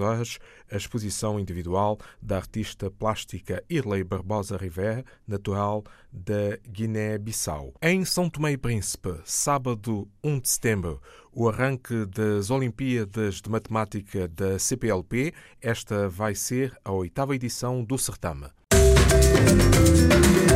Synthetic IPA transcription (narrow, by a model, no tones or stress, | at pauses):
ɔɾɐʒ | ɐʃpuzisɐ̃w̃ĩnd̪iviðwalˠd̪ɐɐɾt̪iʃt̪ɐplˠaʃt̪ikɐiɾlˠɐjbɐɾβɔzɐʁivɛɾɐ | nɐt̪uɾalˠ | d̪ɐɡinɛβisa̰wẽj̃sɐ̃w̪̃t̪umejpɾĩspɨsaβɐðuũd̪ɨsɨ̥t̪ẽmbɾṵuɐʁɐ̃ŋkɨd̪ɐzolˠĩmpiɐðɐʒd̪ɨmɐt̪mat̪ikʰɐðɐsepeɛlˠpe | ɛʃt̪ɐvajseɾɐojt̪avɐiðisɐ̃w̃d̪usɨɾt̪ɐ̰̃m